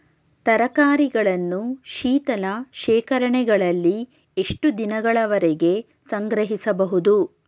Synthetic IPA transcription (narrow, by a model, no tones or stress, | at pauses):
t̪ɐɾɐkaːɾiɡɐɭɐnːuʃiːt̪ɐlɐʃɛːkɐɾɐɳɛɡɐɭɐlːi | eʂʈud̪inɐɡɐɭɐʋɐɾɛɡe̞ | sɐŋɡɾɐɦisɐbɐɦud̪u